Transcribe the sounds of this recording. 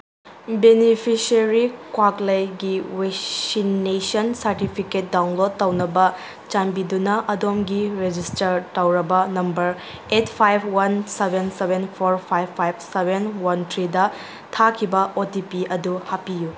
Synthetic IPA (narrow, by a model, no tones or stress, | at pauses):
benipʰisɐɾikwaklɐjɡiwesinːesɐnsɐɾtipʰiket̚dawnlod̚tːɐwnɐbɐ | t͡ʃambidunɐʔɐdomɡiɾed͡ʒistɐɾtɐwɾɐbɐnɐmbɐɾ | etpʰajbʰwɐnsebʱensebʱenpʰoɾpʰajbʰajb̚ʰsebʱenwɐntʰɾidɐ | tʰakʰibɐʔotipiɐduhapiju